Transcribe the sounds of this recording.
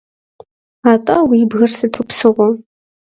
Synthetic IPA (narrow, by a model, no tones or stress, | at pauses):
aːtʼɐwiːbɣɐrsɨtʰupsɨʁʷɔ